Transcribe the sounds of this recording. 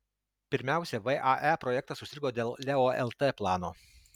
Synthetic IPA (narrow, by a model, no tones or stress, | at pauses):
pʲɪɾʲmʲæˑʊsʲɛʋɛʔɑʔæpɾɔjɛk̚t̪ɐsʊsʲɪɾʲɡoːd̪ʲeːlˠlʲɛoːɛ̰lˠt̪ɛplˠɑːnoː